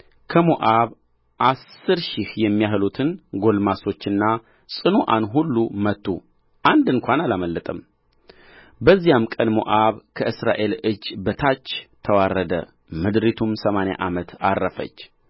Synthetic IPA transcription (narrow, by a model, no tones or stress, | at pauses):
kʰəmoʔaβ | ʔasːɨɾʃihjɛmːijaɦlut̪ʰɨnɡo̞lmaso̞t͡ʃːɨnːa | sʼɨnoʔanɦulːumət̪ːṵ | ʔand̪ɨŋkʷanalaməlːət̪ʼəm | bəzːijamkʼənmo̰ʔaβkʰəʔɨsɾa̰ʔe̞lɨd͡ʒːbət̪ʰat͡ʃːt̪ʰəwarːəd̪ə̰ | mɨd̪ɾit̪ʰumsəmanja̰ʔamət̪a̰rːəfə̰t͡ʃː